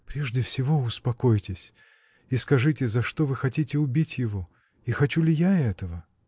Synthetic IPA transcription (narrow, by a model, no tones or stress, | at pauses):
pɾʲeʐdʲɪfsʲɪvo̞ʊspɐko̞jtʲɪsʲ | iskɐʐɨtʲɪzɐʂt̪o̞vɨxɐtʲitʲɪʊbʲitʲjɪvo̞ | ixɐt͡ɕulʲɪjaɛt̪əvə